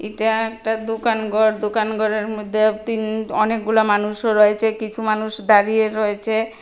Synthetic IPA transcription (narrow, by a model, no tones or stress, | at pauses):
eʈaɛk̚ʈad̪okanɡʱɔɾd̪okanɡʱɔɾeɾmod̪ʱːeat̪inɔnek̚ɡulamanuʃoɾɔet͡ɕʰekit͡ɕʰumanuʃd̪aɾijeɾɔet͡ɕʰe